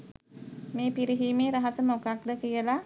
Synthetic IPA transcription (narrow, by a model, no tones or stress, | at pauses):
meːpiɾiɦiːmeːɾaɦasəməokak̚d̪əkijəla